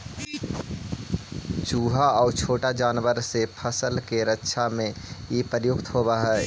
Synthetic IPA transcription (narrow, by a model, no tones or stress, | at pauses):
t͡ʃuːɦaɔːɾt͡ʃʰoːʈad͡ʒaːnʋəɾsepʰəsəlkeɾətːʃʰamẽipəɾjʊkt̪ɦoːbaɦɛ